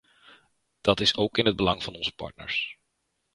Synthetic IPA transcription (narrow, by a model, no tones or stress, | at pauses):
d̥ɑtɪsowkɪnɦəd̚bəlɑŋv̥ɑnɔnzəpɑ̰ɹt̚nə̰ɹs